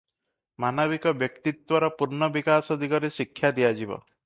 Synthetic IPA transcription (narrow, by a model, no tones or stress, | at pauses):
manɔβikɔbjɔkt̪it̪wɔɾɔpuɾnɔbikasɔd̪ʱikɔɾesikʰːjad̪ijad͡ʒibɔ̰